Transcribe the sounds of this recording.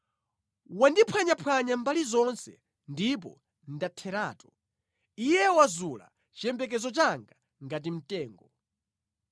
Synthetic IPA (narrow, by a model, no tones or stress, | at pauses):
wandipʰwaɲapʰwaɲambalizɔnsɛ̰ | ndip̬ɔ̰ | ndatʰɛɾaːtɔ | ijɛwazula̰ | t͡ʃiɛmbɛk̬ɛzɔt͡ʃaŋɡa | ŋɡat̬im̩tɛːŋɡɔ